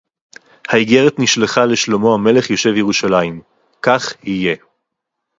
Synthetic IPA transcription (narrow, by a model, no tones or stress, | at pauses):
haiɡe̞ʁet̪niʃleχale̞ʃlomo̞hame̞le̞χjo̞ʃe̞vjeʁuʃalaim | kaχhije̞